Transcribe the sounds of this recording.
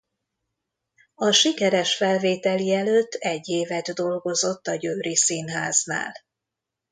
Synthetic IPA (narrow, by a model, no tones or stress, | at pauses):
ɒʃikɛɾɛʃfɛlveːt̪ɛliɛløt̪ːɛɟːeːvɛd̪d̪o̞lɡo̞zo̞t̪ːɒɟøːɾisinɦaːzna̰ːl